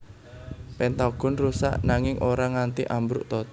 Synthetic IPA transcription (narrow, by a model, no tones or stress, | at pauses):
pɛnt̪aɡ̥ɔ̤nrusa̰ʔnaŋɪŋʔoɾaŋant̪iʔambɾṵʔt̪ɔt̪